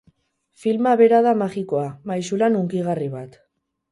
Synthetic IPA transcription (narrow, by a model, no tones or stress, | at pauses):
filmaβe̞ɾaðamaɣikoamajsulanuŋkiɣariβat̪